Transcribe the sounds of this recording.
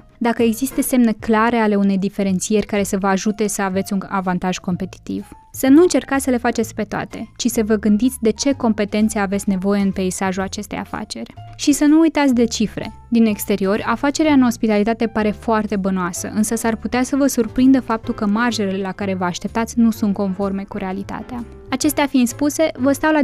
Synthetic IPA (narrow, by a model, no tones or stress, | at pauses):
d̪akəeɡzist̪əse̞mne̞klaɾe̞ale̞une̞jd̪ife̞ɾe̞nt̪sije̞rʲkaɾe̞səvəaʒut̪e̞səave̞t̪sʲunavant̪aʒ̥ko̞mpe̞t̪i̥t̪ḭv̥ | sənuɨnt͡ʃe̞rkat̪sʲsəle̞fat͡ʃet̪sʲpe̞t̪oa̰t̪e̞t͡ʃisəvəɡɨnd̪it̪sʲd̪e̞t͡ʃe̞ko̞mpe̞t̪e̞nt̪seavesʲne̞vo̞je̞ɨnpe̞isaʒuat͡ʃe̞st̪e̞ja̰fa̰t͡ʃe̞rʲʃisənuːjt̪at̪sʲd̪e̞t͡ʃifɾe̞̰ | d̪ine̞kst̪e̞ɾio̞rʲafat͡ʃe̞ɾeaɨno̞spit̪alit̪at̪e̞paɾe̞foart̪e̞bənoasə̰ʔɨnsəsarput̪easəvəsurpɾind̪əfap̚t̪ulkəmarʒe̞lele̞lakaɾe̞vəaʃt̪e̞p̚t̪at̪sʲnusunt̪̚ko̞nfo̞rme̞kuɾe̞alit̪a̰t̪ea | at͡ʃe̞st̪eafiinspuse̞vəst̪awla